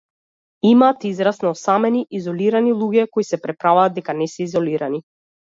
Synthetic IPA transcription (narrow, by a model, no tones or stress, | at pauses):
imaːt̪izɾasnɔsamɛniʔizɔliɾanilˠuɡɛkɔisɛpɾɛpɾavaːd̪d̪ɛkanɛsɛizɔliɾani